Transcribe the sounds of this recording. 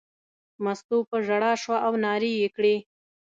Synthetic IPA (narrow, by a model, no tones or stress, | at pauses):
mast̪upəʒaɽɑʃwaʔawnɑɾijekɽe